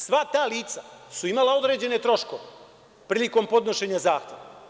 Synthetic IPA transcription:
sʋat̪aːliːt̪sasuimalao̞d̪ɾe̞ːd͡ʑe̞ne̞t̪ɾo̞ʃko̰ʋe | pɾiːliko̞mpo̞d̪no̞ʃe̞ɲazaːxt̪jeʋa

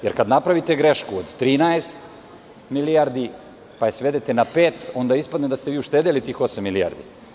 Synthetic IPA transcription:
jeɾkad̪napɾaʋit̪eɡɾeʃkuod̪t̪ːɾiːnaest̪ | milijaɾd̪i | pajesʋe̞d̪et̪enapeːt̪o̞nd̪aispad̪ned̪ast̪eʋiːuʃt̪ed̪elit̪iːxo̞samːilia̰ɾd̪ḭ

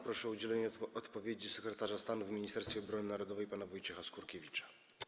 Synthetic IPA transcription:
pɾɔʂɛud͡ʑɛlɛɲɛɔt̪pɔvʲjed͡ʑisɛkɾɛt̪aʐast̪anuvmʲiɲist̪ɛɾst̪fʲɛɔbɾɔnɘnaɾɔd̪ɔvɛjpanavɔjt͡ʂɛxaskuɾkʲevʲit͡ʂḁ

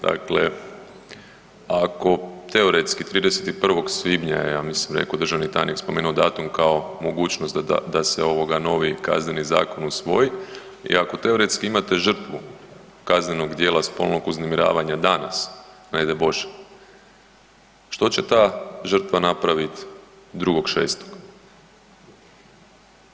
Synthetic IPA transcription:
d̪̥a̰kle̞ | ako̞t̪e̞oɾet̪skit̪ɾiːd̪eset̪ipr̩ʋo̞ɡsʋibɲajejaːmislimɾḛko̞d̪ɾr̩ʒaʋnit̪a̰jnikspo̞meːnuod̪aːt̪umkao̞mo̞ɡuːt͡ʃno̞st̪a̰d̪aseo̞ʋo̞ɡano̞ʋika̰zne̞niza̰ːko̞nusʋo̞ji | ḭako̞t̪e̞o̞ɾe̞t̪skiimat̪e̞ʒr̩t̪ʋu | kazne̞no̞ɡd̪jeːlˠaspo̞̰lˠno̞ɡuznemiɾa̰ːʋaɲad̪ana̰snajd̪ebo̞ʃe̥ | ʃt̪o̞t͡ɕe̞t̪aːʒər̩t̪ʋanapɾaʋit̪ | d̪ɾuɡo̞ɡʃe̞ːst̪o̥ɡ̥

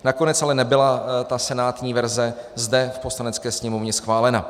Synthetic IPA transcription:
nako̞nɛt͡sʔalɛnɛbɪlat̪asɛnaːt̪ɲiːvɛɾzɛzdɛfpo̞slanɛt͡skɛːsɲɛmovɲɛsxvaːlɛna

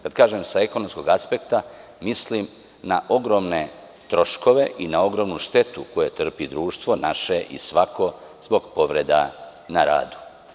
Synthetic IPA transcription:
kad̪̥kaːʒemsaeko̞nomskoɡaspe̞kt̪a | mislim | naʔo̞ɡɾo̞mne̞ | t̪ɾo̞ʃko̞ʋe̞ʔinao̞ɡɾo̞mnuʃt̪e̞t̪uko̞jet̪r̩pid̪ɾuːʃt̪ʋo̞naʃeʔḭsʋakʰo̞z̥bo̞ɡpo̞ʋɾe̞d̪a̰ | naɾa̰ːd̪u̥

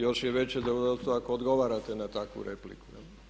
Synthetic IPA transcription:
joʃjeʋet͡ɕed̪oɡod̪ot̪st̪oakoːd̪ɡo̞ʋaːɾat̪enat̪akʋṵɾeplḭkujel

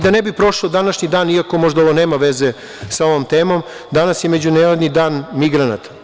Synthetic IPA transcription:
d̪anebipɾo̞ʂod̪anaʃɲid̪aːniako̞mo̞ʒd̪ao̞ʋone̞ːmaʋeze | sao̞ʋomt̪e̞ːmo̞m | d̪anasjeme̞d͡ʑuneɾad̪nid̪aːnmiɡɾana̰t̪ḁ

